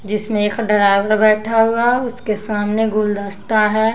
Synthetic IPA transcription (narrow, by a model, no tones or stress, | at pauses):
d͡ʒɪsmẽekʰɖɪɾaːɪʋəɾbɛːʈʰaɦuaʊskesaːmneɡʊld̪əst̪aɦɛː